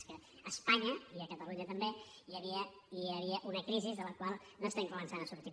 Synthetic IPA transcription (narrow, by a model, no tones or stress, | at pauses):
skəː | spaɲəiəkət̪əluɲət̪əmbe | jəβiə | iəβiəʔunəkɾizizðələkwalˠ | nost̪eŋkumənsanəsuɾt̪i